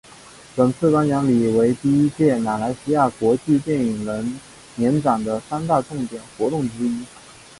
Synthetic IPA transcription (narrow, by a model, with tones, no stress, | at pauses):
pə˨˩nt͡sʰɹ̩˥˩k̪a˥njɑ˧˥ŋli˨˩we˧˥ɪt̪i˥˧i˥t͡ɕjɛ˥˩ma˨˩la˧˥ɪɕi˥ja˥˩kwɔ˧˥t͡ɕi˥˧t̪jɛ˥˩ni˨˩ŋlə˧˥n | njɛ˧˥nʈ͡ʂɑ˨˩ŋd̪ə˦sa˥nt̪a˥˧ʈ͡ʂʊ˥˩ŋt̪jɛ˨˩nxwɔ˧˥t̪ʊ˥˩ŋʈ͡ʂɻ̩˥i˥